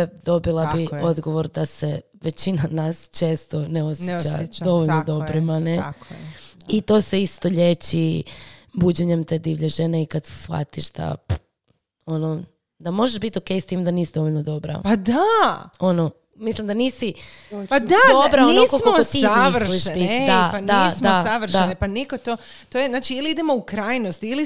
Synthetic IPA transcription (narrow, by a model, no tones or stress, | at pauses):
d̪o̞bilˠabio̞d̪ɡo̞ʋo̞ɾd̪ase̞ | ʋe̞t͡ɕinanast͡ʃe̞ːst̪o̞neo̞sjet͡ɕad̪o̞ʋoʎnod̪o̞bɾimane | it̪o̞ːse̞ist̪o̞ʎet͡ɕi | buːd͡ʑeɲe̞mt̪ed̪iʋʎeʒeneikad̪se̥sʋa̰t̪iʃd̪̥a̰p | o̞no | d̪amo̞ʒeʃbit̪o̞kejst̪iːmd̪aniːsid̪o̞ʋoʎʲnod̪o̞bɾa̰pad̪ao̞no | mislimd̪aniːsipad̪ad̪o̞bɾaonnoskoakot̪iliʃpid̪aad̪asmoasaʋr̩dʃaeanepanikot̪o | t̪oːjeznaːt͡ʃiiliid̪emoukɾajnost̪iili